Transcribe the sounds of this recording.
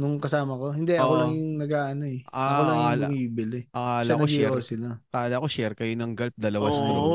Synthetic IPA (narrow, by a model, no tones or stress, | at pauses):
nʊŋkɐsaːmɐko̞hɪnd̪ɛʔɐolɐŋjʊŋnɐɡaːʔɐnoɛʔaɐolɐŋaːlmiːbɪlɛɐaːʃlankoɡʃiɛosɪlakɐaːlakoʃɛɾkɐjonɐŋɡɐlp̚d̪ɐlɐwasd̪